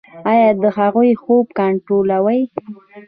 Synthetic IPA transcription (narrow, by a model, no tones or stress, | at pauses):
ɑjɑd̪əɦaɣujxob̚kaɳʈɾolawəj